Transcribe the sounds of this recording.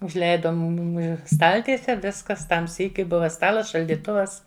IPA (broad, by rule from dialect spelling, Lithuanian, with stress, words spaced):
ʊʒʲˈlʲɛɪdɐ ˈmʊmʲɪ ˈstɐlʲtʲiɛsʲɛ ˈʋʲɪskɐs ˈtɐm ˈsʲiːkʲʊɪ ˈbʊʋɐ ˈstɑːlˠɐs ʃɐlʲdʲiːˈtʊʋɐs